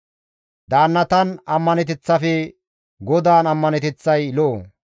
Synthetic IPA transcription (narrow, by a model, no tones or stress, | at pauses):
d̪aːnːɐt̪ɐnɐmːɐnɛt̪ɛt͡sːɐfɛ | ɡɔd̪aːnɐmːɐnɛt̪ɛt͡sːɐjloː